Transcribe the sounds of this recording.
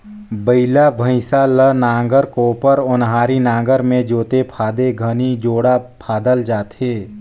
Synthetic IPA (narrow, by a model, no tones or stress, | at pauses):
bəɪlabʱə̃ɪsalənãːŋɡəɾkoːpəɾʊnɦaːɾinãːɡəɾmẽd͡ʒoːt̪epʰaːd̪eɡʱənid͡ʒoːɽapʰaːd̪əld͡ʒaːt̪eː